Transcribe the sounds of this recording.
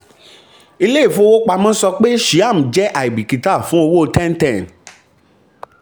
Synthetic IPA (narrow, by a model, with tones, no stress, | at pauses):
i˧le˦i˦˨fũ˦o˧wo˦k͡pa˧mɔ̃˦sɔ˧k͡pe˦ʃi˨˦a˦˨m̩˨d͡ʒɛ˨˦ʔa˨i˨bi˨ki˨ta˦˨fũ˨˦o˧wo˦˧tɛ˦n̩˦tɛ̃˦˨n˨